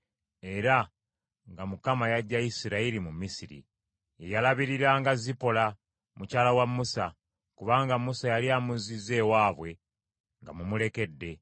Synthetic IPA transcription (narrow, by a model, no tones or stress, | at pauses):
e̞ɾa | ŋɡamukamajaɟːaisiɾaiɾimumisiɾḭ | ejalaβiɾiɾaːŋɡazipo̞la | mucaːlawamːusa | kuβaːŋɡamusajaliamuzize̞waːβwe̞ | ŋɡa̰mumuleke̞dːe̞